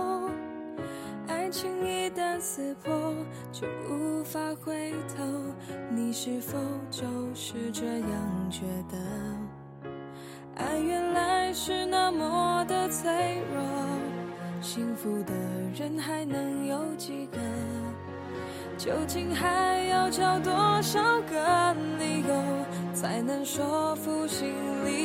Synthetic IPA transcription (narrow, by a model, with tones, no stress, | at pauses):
a˥ɪt͡ɕʰi˥ŋi˥˧t̪ə˧nt͡sʰɹ̩˨˩pʰɔ˥ | t͡ɕo˧˩ʊʔu˧˥fa˧xwe˥ɪt̪ʰo˧ʊni˨˩ʂɻ̩˥fo˧ʊt͡ɕo˧ʊʂɻ̩˥˧ʈ͡ʂə˥˧jɑ˥˧˩ŋt͡ɕɥɛ˧˥d̪ə˧ | a˧˥ɪɥɛ˧nla˧˥ɪʂɻ̩˥˧na˥˧mə˨d̪ə˧t͡sʰe˧˥ɪɻɑ˧ | ɕi˥ŋfu˧˥d̪ə˩ɻə˧˥nxa˧˥ɪnɤ˧˥ŋjo˧ʊt͡ɕi˧˩kə˧n | t͡ɕjo˧˥ʊt͡ɕi˥nxa˧˥ɪjɑ˥˧ʊt͡ɕjɑ˥˧ʊt̪wɔ˥ʂɑ˧˥ʊkə˧˥n̩li˧˥jo˧ʊt͡sʰa˧˥ɪnə˧˥ŋʂɔ˥fu˧ɕi˧ŋ | li˧